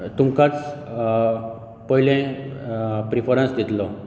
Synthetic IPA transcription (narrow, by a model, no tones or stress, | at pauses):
t̪umkat͡s | pəɦilẽ | pɾifʰɔɾə̃nsd̪it̪lɔ